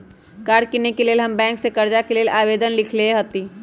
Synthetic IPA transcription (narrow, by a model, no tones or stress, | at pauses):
kaːɾkinekeleːlɦɐmbɛ̃ːŋksekɐɾd͡ʒakeleːlʔaːʋeːd̪ənlɪkʰleɦot̪iː